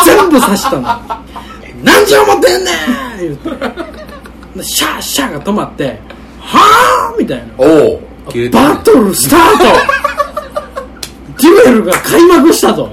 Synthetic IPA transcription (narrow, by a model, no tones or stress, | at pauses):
zẽ̞mbɯ̟saɕi̥t̪ano | nãɲ̟d͡ʑomot̪ːẽnːejɯt̪ːe | nd̪eɕaɕaɡat̪o̞mat̪ːe̞ | hamʲit̪aina̰ | b̥at̪oɾɯ̟st̪at̪o | ɡʲibeɾɯɡakʰaimak̬ɯ̟ɕi̥t̪at̪o